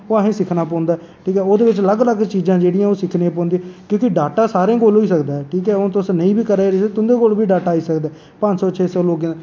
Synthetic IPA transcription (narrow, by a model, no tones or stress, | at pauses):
oːaɦẽːsɪkʰnaːpɔ̃ːnd̪aːɛ | ʈʰiːkɛːoːd̪eːʋɪt͡ʃləɡləɡt͡ʃiːzãːd͡ʒeːɽijãːoːsɪkʰniãːpɔ̃ːnd̪iãkjõːkɪɖaːʈaːsaːɾẽːkoːlɦoːiːsəkd̪aːɛʈʰiːk̬ɛːot̪ʊsnəĩːbiːkəɾaɾeet̪ʊ̃nd̪eːkolbiːɖaːʈaːiːsəkd̪aː | pə̃ɲd͡ʒsɔːt͡ʃʰeːsɔːloːɡ̃